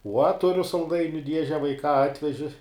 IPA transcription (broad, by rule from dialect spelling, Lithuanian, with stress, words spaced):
uɔ ˈtʊrʲʊ sɐlˠˈdɐɪnʲʊ ˈdʲiɛʒʲɛ ʋɐɪˈkɑː ˈɑːtʲʋʲɛʒʲɪ